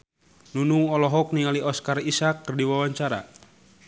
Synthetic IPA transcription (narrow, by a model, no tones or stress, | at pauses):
nunuŋɔlɔɦɔk̚niŋaliɔskarisakːərdiwawaɲt͡ʃaɾa̰